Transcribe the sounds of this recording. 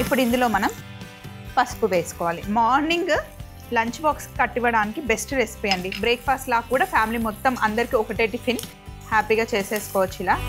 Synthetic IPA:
ipːuɽind̪ulo̞ːmɐnɐm | pɐspuʋeːsu̥kɔːʋaːlimaːɾniŋɡ | lɐɲt͡ʃbaːkskɐʈːiʋɐɽaːnikibe̞sʈɾesi̥piːɐɳɖibɾeːkpʰaːsʈlaːkuːɽaːpʰjaːmiliːmɔt̪ːɐmʔɐnd̪ɐɾikiɔkɐʈeːʈipʰin | haːpiːɡaːt͡ʃeːse̞ːsu̥kɔːʋɐt͡ʃːilaː

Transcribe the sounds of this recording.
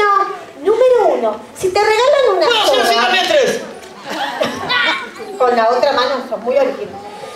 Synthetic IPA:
o | nũme̞ɾounosit̪e̞re̞ɣalanunakonaet̪ɾes | iko̞nlaot̪ɾamãnosoŋmujoɾiiβos

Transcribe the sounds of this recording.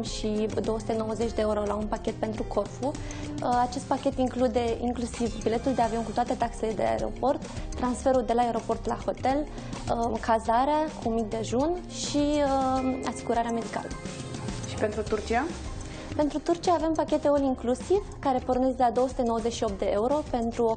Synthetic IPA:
mʃid̪ooəsu̥t̪e̞no̞wəze̞t͡ʃʲd̪e̞oɾo̞launpakʲe̞t̪̚pe̞nt̪ɾukʰo̞rfu | at͡ʃe̞st̪̚pakʲe̞t̪iŋklud̪e̞iŋklusivbile̞t̪uld̪e̞avio̞nkut̪oat̪e̞t̪akse̞le̞d̪e̞a̰ḛɾo̞̰po̞rt̪ːɾansfe̞ɾuld̪e̞laeɾo̞po̞rt̪la̰ho̞t̪e̞l | əkʰazaɾeakumik̚d̪e̞ʒun | ʃiəa̰siɡuɾaɾeame̞d̪ika̰lə | ʃi̥pe̞nt̪ɾut̪urt͡ʃia | pe̞nt̪ɾut̪urt͡ʃiaːve̞mpakʲe̞t̪e̞oliŋklusivkaɾe̞porne̞zelad̪o̞wəsu̥t̪e̞nowəzeʃio̞p̚t̪d̪e̞euɾo̞pe̞nt̪ɾu

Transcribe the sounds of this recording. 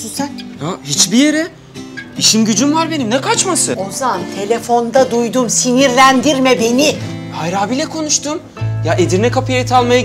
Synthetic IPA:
it̪nhahit͡ʃbijeɾɛ | iʃimɟyd͡ʒymvaɾbe̞nimnɛkʰat͡ʃmasɯo̞zamant̪ʰe̞lʲe̞fo̞nd̪ad̪ujd̪umsiniɾlʲænd̪iɾmɛbe̞nihajɾaːbilʲɛkʰo̞nuʃt̪ʰum | jaʔed̪iɾnɛkapʰɯjaɾit̪ʰalˠmaja

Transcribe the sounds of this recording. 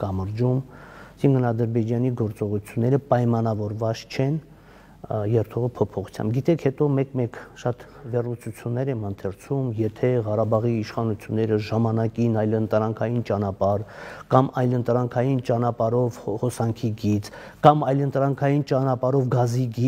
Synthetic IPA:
kɑməɾd͡ʒumsiŋkʰənɑd̪əɾbɛd͡ʒɑniɡɔɾt͡sɔʁut͡sʰjunːɛɾəpɑjmɑnɑvɔɾvɑt͡st͡ʃʰɛn | jɛɾt̪ʰɔʁəpʰɔpʰɔχu̥t͡sʰjɑ̰mbɡit̪ɛkʰhɛt̪ɔmɛkmɛkʃɑt̪ | vɛrlut͡sʰut͡sʰjunːɛɾɛmənt̪ʰɛɾt͡sʰumjɛt̪ʰɛʁɑɾɑbɑʁiːʃχɑnut͡sʰjunːɛɾəʒɑmɑnɑkinɑjlənt̪ɾɑŋkʰɑjint͡ʃɑnɑpɑɾkɑmɑjlənt̪ɾɑŋkʰɑjint͡ʃɑnɑpɑɾɔvχɔsɑŋkʰiɡit͡s | kɑmɑjlənt̪ɾɑŋkʰɑjint͡ʃɑnɑpɑɾɔvɡɑziɡi

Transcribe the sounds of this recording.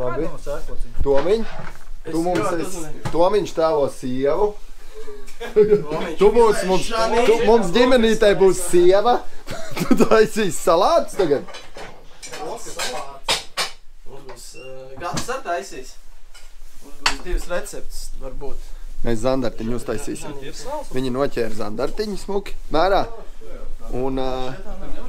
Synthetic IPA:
abi | t̪uɔmiɲt̪umumsɛst̪uɔmiɲʃt̪æːlɔsiɛʋu | t̪ubuːsmumsumumsdʲimʲɛniːt̪ajbuːsːiɛʋɐt̪ut̪uajsʲiːssalˠɑːt̪st̪aɡad̪̚ | uksalː | sɡasaɾt̪ajsiːs | zd̪ivsɾɛt̪sɛp̚t̪sʋaɾbuːt̪mɛszand̪aɾt̪iɲust̪ajsiːsimviɲinuɔcʲɛːɾza̰nd̪aɾt̪iɲismukʲi̥mæːɾaː | un

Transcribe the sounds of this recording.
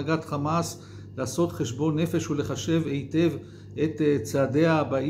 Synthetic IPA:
aɡat̪χamas | laːso̞t̪χe̞ʃbo̞nːe̞fe̞ʃule̞χaʃe̞ve̞jte̞v | et̪t͡seade̞aːba

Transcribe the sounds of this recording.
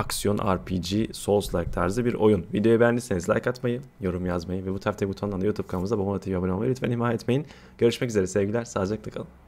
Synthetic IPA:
aksijonʔa̰ɾpʰid͡ʒiso̞lˠslˠajk̚t̪ʰaɾzɯbiɾo̞̰junvid̪eo̞jɛbɛnd̪isenizlʲa̰jkat̪majɯjo̞ɾumjazmajɯvɛbut̪ʰaɾft̪ʰɛbut̪ʰanˠand̪ajut̪ʰub̚kʰamɯzd̪ababunat̪ʰijabanmamajiɾyt̪fenihmaːjɛːt̪mejin | ɟ̥øɾyʃmɛcyze̞ɾɛsɛvɟilʲæɾsaːd͡ʒaklakʰalˠɯm

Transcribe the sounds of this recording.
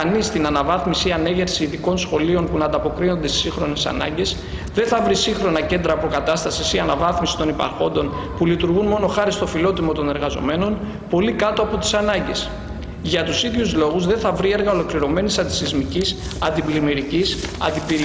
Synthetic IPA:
ɐnist̪inɐnɐvɐθmisiɐne̞ʝe̞ɾsiːθiko̞nsxo̞lio̞npunɐnd̪ɐpo̞kɾino̞nd̪e̞st̪isiŋxɾo̞ne̞sɐ̰nɐ̰ɲɟe̞s | ðe̞nθɐvɾisiŋxɾo̞nɐce̞nd̪ɾɐːpo̞kɐt̪ɐst̪ɐsisiɐnɐvɐθmisi̥t̪o̞nipɐ̰ɾxo̞nd̪o̞n | pulit̪uɾɣunmo̞no̞xɐɾist̪o̞filo̞t̪imo̞t̪o̞ne̞ɾɣɐzo̞̰me̞no̞n | po̞likɐt̪o̞ɐpo̞t̪i̥sɐnɐɲɟe̞s | ʝɐt̪usiðʝuzlo̞ɣuzðe̞nθɐvɾie̞ɾɣɐo̞lo̞kliɾo̞me̞nisɐnd̪isizmicis | ɐnd̪iblimiɾicisɐ̰nd̪ipiɾi

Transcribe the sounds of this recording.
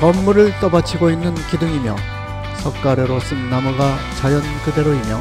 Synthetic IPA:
kʌmːuɾɯɭt͈ʌbat͡ɕʰiɡoinːɯnkidɯŋimjʌ | sʰʌk̚k͈aɾeɾos͈ɯnːamuɡa | t͡ɕajʌnkɯde̞ɾoimjʌ

